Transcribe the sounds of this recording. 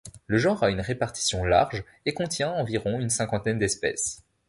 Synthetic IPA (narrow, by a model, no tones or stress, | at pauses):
ləʒɑ̃ʁaynʁepaʁt̪i̥sjɔ̃la̰ʁʒ | ekɔ̃t̪jɛ̃ɑ̃viʁɔ̃ynsɛ̃kɑ̃t̪ɛnd̪ɛspɛ̰s